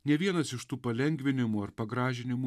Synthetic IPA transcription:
nʲɛʋʲiɛnɐsɪʃt̪uːpɐlʲɛŋʲɡʲʋʲɪnʲɪmuːɐɾpɐɡɾɑːʒʲɪnʲɪmuː

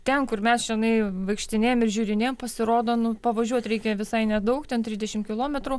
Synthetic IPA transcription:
t̪ʲɛnkʊrmʲɛsʒʲɪnɐɪʋɐɪkʃʲt̪ʲɪnʲeːjomɪrʒʲuːɾʲɪnʲeːjmpɐsʲɪɾoːd̪oːnʊpɐʋɐʒʲuɔt̪ʲɾʲɛɪkʲɛʋʲɪsɐɪnʲɛd̪ɐʊkt̪ʲɛnt̪ʲɾʲɪzd̪ʲɛʃʲɪmkʲɪlˠoːmʲɛt̪ɾuː

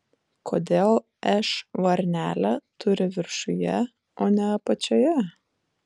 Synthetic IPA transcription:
kʰoːd̪ʲeːlˠ | ɛʃʋɐɾʲnʲæːlʲɛt̪ʊɾʲɪʋʲɪɾʃʊjɛ | oːnʲɛɐpɐt͡ʃʲoːjɛ

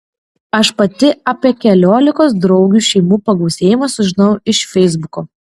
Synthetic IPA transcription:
ɐʃpɐt̪ʲɪɐːpʲiɛkʲɛlʲoːlʲɪkoːsd̪ɾɒʊɡʲuːʃʲɛɪmuːpɐɡɒʊsʲeːjɪmɐsʊʒʲɪnɐʊɪʃfʲɛɪzbʊkoː

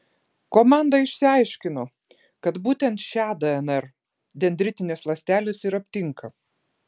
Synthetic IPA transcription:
koːmɑˑnd̪ɐɪʃʲsʲɪɐɪʃʲkʲɪno | kɐt̪buːt̪ʲɛnt̪ʃʲæːd̪ɐɛnɛɾ | d̪ʲɛnʲd̪ʲɾʲɪt̪ʲɪnʲeːslˠɐsʲt̪ʲæːlʲeːsɪɾɐpʲt̪ʲɪŋkɐ

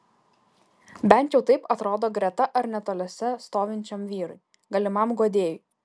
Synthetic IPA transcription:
bʲɛnʲt̪jɛʊt̪ɐɪpɐt̪ɾoːd̪oːɡɾʲɛt̪ɐʔɐɾnʲɛt̪oːlʲɛsʲɛst̪oːʋʲɪnʲt͡ʃʲɛmʋʲiːɾɐɪ | ɡɐlʲɪmɐmɡoːd̪ʲeːjʊ

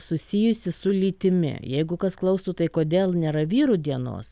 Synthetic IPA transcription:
sʊsʲɪjʊsʲɪsʊlʲiːt̪ʲɪmʲɪ̰jɛɪɡʊkɐsklˠɒʊst̪ut̪ɐɪkoːd̪ʲeːlˠnʲeːɾɐʋʲiːɾud̪ʲiɛno̰ːs

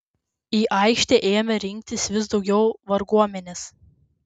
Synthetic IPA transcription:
iːʔɐˑɪkʃʲt̪ʲɛʔeːmʲɐɾʲɪŋʲk̚ʲt̪ʲɪsʋʲɪsd̪ɒʊɡʲɛʊʋɐɾɡuɔmʲɛnʲes

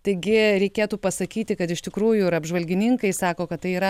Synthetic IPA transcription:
t̪ɐɪɡʲɪɾʲɛɪkʲeːt̪uːpɐsɐkʲiːt̪ʲɪkɐt̪ɪʃt̪ʲɪkɾuːjʊɪɾɐbʒʋɐlʲɡʲɪnʲɪŋkɐɪsɑːkoːkɐt̪t̪ɐɪiːɾɐ

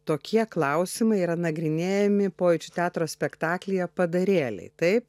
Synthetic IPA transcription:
t̪oːkʲiɛklˠɐʊsʲɪmɐɪiːɾɐnɐɡɾʲɪnʲeːjɛmʲɪpoːjɪt͡ʃʲʊt̪ʲæːt̪ɾoːsʲpʲɛkt̪ɑːklʲɪjɛpɐd̪ɐɾʲeːlʲɛ̰ɪt̪ɐɪp̚

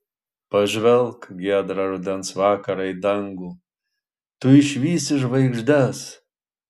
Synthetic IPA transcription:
pɐʒʲvʲɛlˠkɡʲiɛd̪ɾɐɾud̪ʲɛnsvɑːkɐɾɐjd̪ɐŋɡu | t̪ʊɪʃʲvʲiːsɪʃvɐɪɡʒd̪as

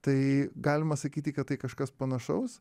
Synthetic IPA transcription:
t̪ɐɪɡɑːlʲɪmɐsɐkʲiːt̪ʲikɐt̪̚t̪ɐɪkɐʃkɐspɐnɐʃɐʊs

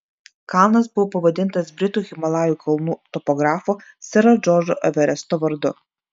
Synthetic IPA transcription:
kɑˑlˠnɐs̬bʊʋɔpɐʋɐd̪ʲɪnt̪ɐsbʲɾʲɪt̪uːɣʲɪmɐlˠaːjuːˑkʰɐlˠnuːt̪ɔpɔɡɾaːfo | sʲɛɾɐd͡ʒɔd͡ʒɔʔɛʋʲɛɾʲɛst̪ɔʋɐɾd̪ʊ̰

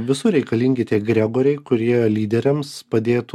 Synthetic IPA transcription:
ʋʲɪsʊɾʲɛɪkɐlʲiŋʲɡʲɪt̪ʲiːɡɾʲæɡoːɾʲɛɪkʊɾʲiɛlʲiːd̪ʲɛɾʲɛmspɐd̪ʲeːt̪

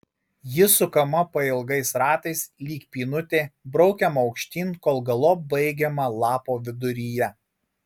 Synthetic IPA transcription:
jɪsʊkɐmɐpɐɪlˠɡɐɪsɾɑːt̪ɐɪslʲiːkpʲiːnʊt̪ʲeːbɾɔʊkʲɛmɐɒʊkʃʲt̪ʲiːnkoːlˠɡɐlˠoːbɐɪɡʲɛmɐlˠɑːpoːʋʲɪd̪ʊɾʲiːjɛ

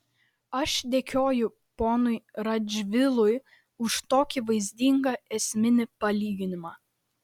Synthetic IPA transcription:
ɐʃd̪ʲeːkʲoːjʊ | poːnʊɪɾɐd͡ʒʲʋʲɪlˠʊj | ʊʃt̪oːkʲiʋɐɪzʲd̪ʲiŋɡɐɛsʲmʲɪnʲɪpɐlʲiːɡʲɪnʲɪmɑː

